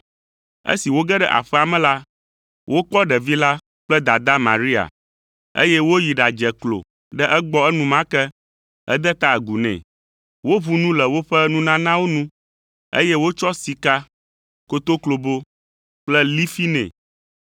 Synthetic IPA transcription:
ḛ˦si˨wo˦ɡɛ˦ɖɛ˦ʔa̰˨ɸɛ˦a˨mɛ̃˦la˦ | wʔo˦k͡pɔ˦ɖɛ˨vi˦la˦ | k͡plɛ˦d̪a˨d̪a˦mã˨ɾi˦a̰˨ | ḛ˦jɛ˦wo˦ji˨ɖa˨d͡ʒɛ˨klo̰˨ | ɖɛ˦ʔɛ˦ɡ͡bɔ˦ɛ˦nũ˦mã˦kɛ˦ | ɛ̰˦d̪ɛ˦t̪a˦˨ɡu˨nɛ̰̃˨ | wo˦βu˦nũ˦lɛ˨wo˦ɸɛ˦nũ˦nã˦nã˦wo˦nũ˦ | ḛ˦jɛ˦wo˦t͡ʃɔ˦si˨ka˦ | ko˦t̪o˦klo˨bo˦ | k͡plɛ˦li˦fi˦nɛ̰̃˨

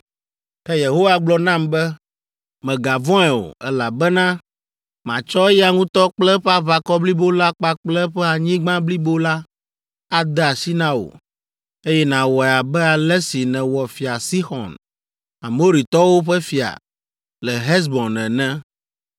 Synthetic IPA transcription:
ɛ˦je˨ɦo˦wa˦ɡ͡blɔ˦nã˦mbɛ˦ | mɛ̃˨ɡa˨vɔ̃˦ɛ˨o̰˨ɛ˦la˨bɛ˦nã˦ | mã̰˨t͡ʃɔ˦ɛ˦ja˨ŋũ˦t̪ɔ˦k͡plɛ˦ɸa˦va˨kɔ˦bli˦bo˦la˦k͡pa˦k͡plɛ˦ɸɛ˦a˨ɲĩ˦ɡ͡bã˦bli˦bo˦la˦ | a˦d̪ɛ˦a˨si˦nã˦wo̰˨ | e˦jɛ˦nã˨wɔ˨a˨bɛ˦a˨lɛ˦si˨nɛ̃˨wɔ˨fi˨a˨si˦xɔ̰̃˨n | a˨mo˦ɾi˨t̪ɔ˦wo˦ɸɛ˦fi˨a̰˨ | lɛ˨ɦɛ˦s̬bɔ˨nɛ̃˨nɛ̃˦

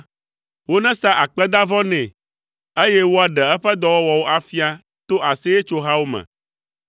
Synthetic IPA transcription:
wo˦nɛ̃˦sa˦ʔa˨k͡pɛ˦d̪a˦vɔ̃˦nɛ̃˨ | e˦jɛ˦wo˦a˨ɖɛ˨ɛ˦ɸɛ˦d̪ɔ˦wɔ˦wɔ˨wo˦ʔa˨fi˦a˦ | t̪o˦ʔa˨se˦je˦t͡ʃo˦ɦa˦wo˦mɛ̰̃˨

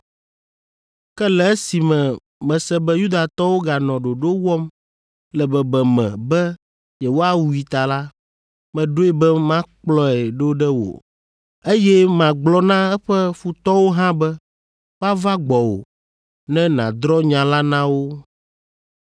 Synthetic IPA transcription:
kɛ˦lɛ˨e˦si˨mɛ̃˨ | mɛ̃˨sɛ˦bɛ˦ju˦d̪a˨t̪ɔ˦wo˦ɡa˨nɔ̃˨ɖo˨ɖo˦wɔ˦m | lɛ˨bɛ˨bɛ˨mɛ̰̃˨bɛ˦ | jɛ˨wo˦a˦wu˦i˨t̪a˨la˦ | mɛ̃˨ɖo˦ɛ˦bɛ˦mã˦k͡plɔ˦ɛ˨ɖo˦ɖɛ˦wo̰˨ | e˦jɛ˦mã˨ɡ͡blɔ˦nã˦ɛ˦ɸɛ˦ɸu˨t̪ɔ˦wo˦ɦã˦bɛ˦ | wa˦va˦ɡ͡bɔ˨wo̰˨ | nɛ̃˦nã̰˨d̪ɾɔ˦ɲã˨la˦nã˦wo˦

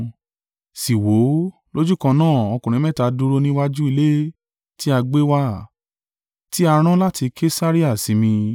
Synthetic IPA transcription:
si˨wo˨˦ | lo˦d͡ʒu˦˨kã˧nãː˦˨ɔ˧kũ˨ɾ̃ĩ˨˦mɛ̃˦ta˧du˧ɾo˧nĩ˦wa˦d͡ʒu˦i˧le˦ | ti˦a˧ɡ͡be˦wa˦ | ti˦a˧ɾ̃ã˦la˦ti˧kʰe˦sa˦ɾi˦a˦˨si˨˦mĩ˧

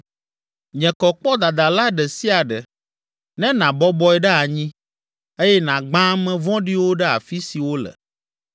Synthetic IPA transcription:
ɲɛ̃˨kɔ˨k͡pɔ˦d̪a˨d̪a˨la˦ɖɛ˨si˦a˨ɖɛ˨ | nɛ̃˦nã˨bɔ˦bɔ˦ɛ˦˨ɖɛ˦a˨ɲĩ˦ | e˦jɛ˦nã˨ɡ͡bã˦mɛ̃˦vɔ̃˦ɖi˦wo˦ɖɛ˦a̰˨fi˦si˨wo˦lə̰˨

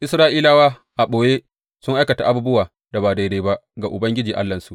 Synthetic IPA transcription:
ʔɪ˦sɾaː˦ʔiː˦laː˦waː˦ | ʔa˨ɓoː˨jeː˦ | sʊ˦ŋʔa˦jkɐ˨ta˨ʔa˦bu˦bʊ˦waː˨ | da˨baː˨da˨jɾeː˦ba˦ʔɡa˨ʔʊ˨bɐ˦ŋɡʲɪ˦d͡ʒiː˨ʔa̰˦lːɐ˨nsu˨ʔ

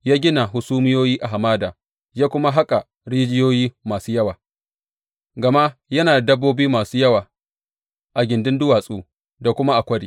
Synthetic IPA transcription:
jaː˦ɡʲɪ˦na˨hʊ˨suː˦mɪ˦joː˦jiː˦ʔa˨ɦa˨maː˦daː˨ | ja˦kʷʊ˦ma˦ɦa˦kʼa˨ | ɽiː˦d͡ʒɪ˦joː˦jiː˦maː˨suː˦jɐ˦waː˨ | ɡɐ˨ma˦ʔjɐ˦naː˨dɐ˦bːoː˦biː˦maː˨suː˦jɐ˦waː˨ | ʔa˨ɡʲɪ˨ndɪ˦ndʊ˦waː˨sʼuː˦ | da˨kʷʊ˦ma˦ʔa˨kʷɐ˦ɽḭː˨

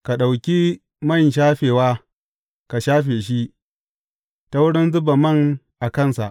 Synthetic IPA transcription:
ka˨ɗa˨wkʲi˦ | mɐ˦˨nʃ̬aː˦ɸeː˨waː˦ | ka˨ʃaː˦ɸeː˨ʃ̬i˦ | ta˦wʊ˦ɽɪ˦nzʊ˦ba˨mɐ˦ŋ | ʔa˨kɐ˦˨nsa˨ʔ

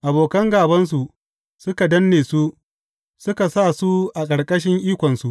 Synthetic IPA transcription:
ʔa˨boː˨kɐ˦ŋɡaː˨bɐ˦ns̬u˨ | sʊ˦ka˨dɐ˦nːeː˨su˦ | sʊ˦ka˨sa˦˨su˦ʔa˨kʼɐ˨ɽkʼɐ˦ʃ̬ɪ˦ŋʔiː˦kʷɔ˨nsu˨ʔ

